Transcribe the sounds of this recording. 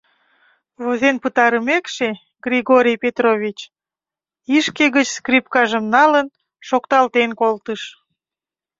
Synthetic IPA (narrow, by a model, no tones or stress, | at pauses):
vozenpət̪ɑɾəmekʃe | ɡriɣoɾʲijpet̪rovʲit͡ɕ | iʃkeɣət͡ɕskripkɑʒəmnɑlən | ʃokt̪ɑlt̪enkolt̪əʃ